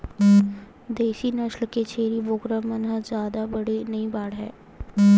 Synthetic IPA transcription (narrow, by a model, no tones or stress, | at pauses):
d̪eːʃinɐʃlket͡ʃʰeːɾiʋoːkɾəmənɦəzjaːd̪abɐɽinɐĩbaːɽɦɛ̰ː